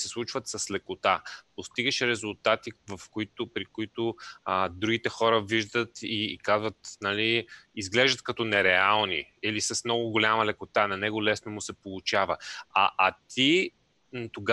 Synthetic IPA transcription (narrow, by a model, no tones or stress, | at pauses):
sɛslˠut͡ʃvət̪sɐslɛkʊt̪apost̪iɡəʃɾɛzʊlˠt̪at̪ivɐfkoit̪ʊpɾikʊit̪ʊəd̪ɾuɡit̪ɛxɔɾəviʒd̪ət̪ikazvət̪naliizɡlɛʒd̪ət̪kɐt̪ɔnɛɾɛalˠnḭ | ilisɐsmnɔɡʊɡolʲamɐlɛkʊt̪anɐnɛɡʊlɛsnomʊsɛpolˠʊt͡ʃavəa̰ʔat̪ʰi | nt̪oɡa